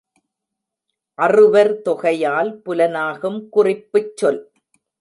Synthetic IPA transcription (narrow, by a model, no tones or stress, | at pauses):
ʔɐrɯʋɐɾt̪ɔɣɐjaːlpʊlɐnaːɣɯmkʊrɪpːɯt͡ʃːɔl